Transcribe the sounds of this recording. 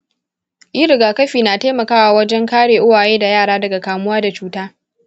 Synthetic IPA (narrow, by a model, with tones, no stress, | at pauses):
ʔi˦ɾɪ˨ɡaː˨kɐ˦ɸiː˨naː˨teː˦mɐ˨kaː˦waː˨wɐ˦d͡ʒɛ˦ŋkaː˦ɽeː˨ʔʊ˦waː˨jeː˦da˨jaː˦˨ɽaː˦dɐ˨ɡa˨kaː˨mʊ˦waː˦da˨t͡ʃuː˦taː˦